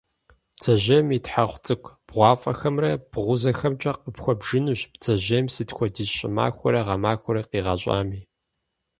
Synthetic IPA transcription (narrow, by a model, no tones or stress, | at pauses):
pt͡sʰɐʑɐmitħaʁʷt͡sʼɨkʷb̥ʁʷɑːfʼɐxɐmrɐb̥ʁʷʊzɐxɐmt͡ʃʼɐqəpxʷɔbʒɨnuɕpt͡sʰɐʑemsiːtxʷɔdiɕʼɪ̰ma̰ːxʷɔɾɐʁɐmaːxʷɔɾɐqiːʁɐɕʷʼa̰ːmiː